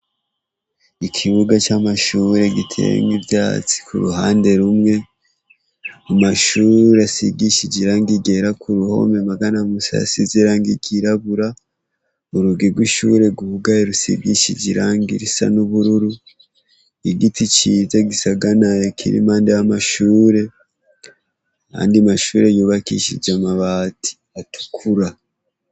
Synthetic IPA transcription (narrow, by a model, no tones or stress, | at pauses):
ikʰiβuɡat͡ʃamaʃuɾe̞ɡitʰḛŋɡivjaːt͡si̥kuɾuɦaːnde̞ɾumŋe̞ | mumaʃuːɾiasiɡiʃiɟiɾaːŋɡiɡeɾakʰuɾuho̞̰memaɡanamusa̰sizeɾaːŋɡiɡiɾaβuɾa | uɾuɡiɾɡwiʃuɾe̞ɡuhuɡaeɾusḭɡiʃḭɟiɾaːŋɡḭɾisa̰nuβuɾuɾu | iɡitit͡ʃizaɡisaɡanajekʰḭɾḭmaːndeamaʃuːɾe̞ | a̰ːndiamaʃuːɾejuːβakḭʃḭɟamaβaːtʰi̥ | atu̥kʰuɾa